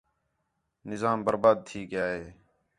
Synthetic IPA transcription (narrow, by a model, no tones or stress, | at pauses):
nɪzaːmbəɾbaːd̪̚t̪ʰiːk̚ɡɪjaːɦeː